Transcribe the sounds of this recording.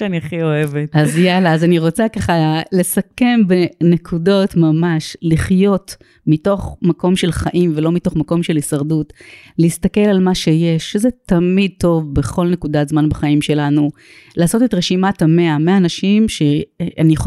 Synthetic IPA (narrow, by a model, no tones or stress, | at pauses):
ʃaniaχioevetazjalaːzaniʁo̞t͡sakaχale̞sake̞mbene̞kʰudo̞tmamaʃliχjo̞t | mito̞χmako̞mʃe̞lχaʔimvelo̞mito̞χmako̞mʃe̞lisɐʁdut | lehistake̞lalmaʃeje̞ʃːezetɐmid̪̚to̞vbe̞χo̞lne̞kudazmanbaχaimʃe̞lanu | laːso̞tetʁeʃimatameameaːnaʃimʃeani